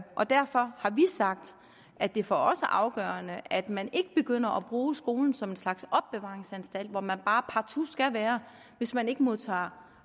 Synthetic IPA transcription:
ʔɒ̽d̥æɐfɒ̽hɑ̈ʋisɑ̈ɡ̥̚d̥ | ʔæd̥e̝fɒɒ̽səʔɑ̈ʊɡ̥œɐnəʔæd̥mæne̝ɡ̥əb̥e̝ɡ̥øn̰ɐʔɒb̥ʁuːsɡ̥o̝ːln̩sɒ̽me̝nslɑ̈ɡ̥sɒ̽b̥ːeʋɑ̈ːʁeŋsænsd̥æl̰d̥ʋɒmænb̥ɑ̈ːpʰɑ̈t͡sʰusɡ̥æʋæːɐ | ʋe̝smæne̝ɡ̥əmo̝ðˠt͡sʰɑ̰̈ː

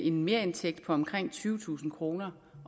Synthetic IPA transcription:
ʔe̝nme̝ːɐe̝nt͡sʰeɡ̥̚d̥̚pʰɒ̽ɒ̽mkʰʁeŋ̰t͡sʰyːʊt͡sʰṵːsn̩kʰʁo̝ːnɐ

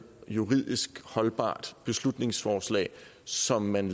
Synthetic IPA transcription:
juʁið̰ˠisɡ̥hɒ̽lb̥ɑ̰̈ːd̥b̥e̝slud̥ne̝ŋsfɒːslɛ̰ɪsɒ̽mːæn

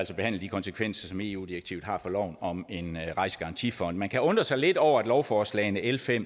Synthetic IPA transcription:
ælsɒb̥e̝hæn̰ləd̥ikʰɒ̽nsəkʰʋen̰sɐsɒ̽me̝̰ːṵːd̥iʁeɡ̥t͡sʰiʊð̩ˠhɑ̈fɒ̽lɒʊ̰nɒ̽me̝nʁɑ̈ɪsə̥ɡ̥ɑ̈ʁɑ̈nt͡sʰifɒ̽n̰d̥mænkʰæɔ̽nd̥ʁɐsɑ̈ɪle̝d̥ɒʊ̰ɐæd̥lɒʊfɒːslɛ̰ɪnəʔelfem̰

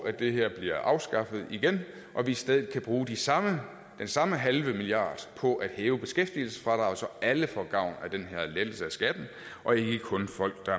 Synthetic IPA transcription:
æd̥e̝ɦeɐ̰b̥liɐ̰ʔɑ̈ʊsɡ̥ɑ̈fəð̞̩ˠiɡ̥en | ʔɒ̽ʋisd̥eð̞ˠð̩ˠkʰæb̥ʁuːd̥isɑ̈mə | d̥ensɑ̈məɦælʋəmilijɑ̰̈ːd̥pʰɒ̽ʔæd̥hɛːʊəb̥e̝sɡ̥efd̥iəl̩sə̥fʁɑ̈ɾ̥ɑ̈ɒsɒ̽ʔæləfɒɡ̥ɑ̈ʊ̰næd̥enɦæɐ̰led̥l̩səæsɡ̥æd̥n̩ | ʔɒ̽e̝ɡ̥əkʰɔ̽nfɒ̽l̰ɡ̥̚d̥ɑ̈

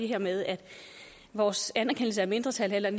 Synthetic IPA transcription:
eɦeɐ̰meðˠæd̥ | ʋɒːsænæɐkʰen̰l̩s̬əæɐme̝nd̥ʁɐt͡sʰælelɐn

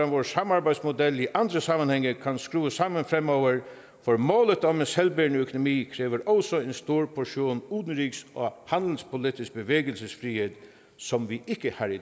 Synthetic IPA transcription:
anʋoːɹsamaɾbæɪsmʊd̪ɛlːiʔand̪ɾəsamːənhɛŋːəkʰanskɾuːəsamənfɾɛmːɔʊʋəɹ | fɔɹmoːlət̪ɔmensɛlbeəɳœkʊnʊmiːkʰɾeːʋəɾɔʊsɔenst̪uːɹpʰɔʂjuːnuːt̪nəɾiːksɔhand̪l̩spʰʊlɪt̪ɪsk̚bəʋeːɡəlsəsfɾiːheːt̪ | sɔmʋiʔɪkːəhɑɾɪ

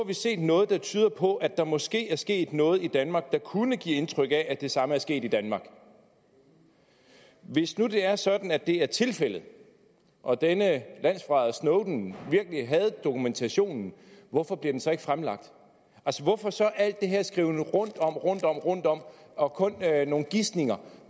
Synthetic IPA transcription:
ɑʋise̝̰ːd̥nɔ̽ːð̞̩ˠd̥ɑ̈t͡sʰyːð̞ˠɐpʰɒ̽ʔæd̥ɑ̈mɒ̽sɡ̥e̝̰ːæɐsɡ̥e̝̰ːd̥nɔ̽ːð̞̩ˠid̥ænmɑ̈ːɡ̥̚d̥ɑ̈kʰunəɡ̥ḭːe̝nt͡sʰʁœɡ̥æʔæd̥e̝sɑ̈məæɐsɡ̥e̝̰ːd̥id̥ænmɑ̈ːɡ̥ | ʋe̝snud̥e̝æɐsɒ̽d̥n̩ædd̥e̝æɐt͡sʰe̝lfel̰ð̞̩ˠ | ʔɒ̽d̥enəlæn̰sfʁɑ̈ðˠsnɔʊd̥n̩ʋiɐɡ̥əliɦæð̞̩ˠd̥o̝kʰument͡sʰæɕo̝̰ːnn̩ʋɒfɒ̽b̥liɐd̥ensɒ̽e̝ɡ̥fʁamlɑ̈ɡ̥̚d̥ | ʔælsəʋɒfɒ̽sɒ̽ʔæl̰d̥ːe̝ɦe̝ɐsɡ̥ʁiʊnəʁɔ̽n̰d̥ɒ̽m̰ʁɔ̽n̰d̥ɒ̽m̰ʁɔ̽n̰d̥ɒ̽m̰ɒ̽kʰɔ̽nno̝ːn̩ɡ̥isne̝ŋɐ

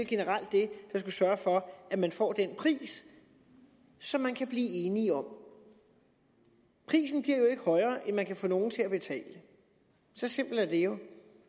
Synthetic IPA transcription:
lɡ̥e̝nəʁɑl̰d̥ːe̝d̥ɑ̈s̬ɡ̥usɶːɐfɒ̽ʔæmænfɒ̰ːd̥enpʰʁḭːs | ɒ̽mːænkʰæb̥liːe̝ːniɒ̽m | pʰʁḭːsn̩b̥liɐ̰jo̝e̝ɡ̥əhɒ̽ɪɐːʔenmænkʰæfɔ̰ːno̝ːn̩t͡sʰe̝æb̥e̝t͡sʰɛ̰ːlə | sɒ̽sem̰b̥l̩æɐd̥e̝jo̝

